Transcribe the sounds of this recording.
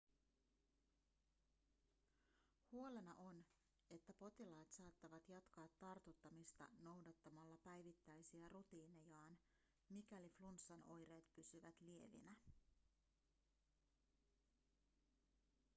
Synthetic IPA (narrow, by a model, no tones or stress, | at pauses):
huo̞le̞nɑʔo̞n | e̞t̪ːæpo̞t̪ilɑːt̪sɑːt̪ːɑʋɑt̪jɑt̪kɑːt̪ːɑrt̪ut̪ːɑmist̪ɑ̰no̞wdɑt̪ːɑmɑlːɑpæjʋit̪ːæjsiærut̪iːne̞jɑːn | mik̟æliflunsːɑno̞jɾe̞ːt̪pysyʋæt̪lie̞ʋḭnæ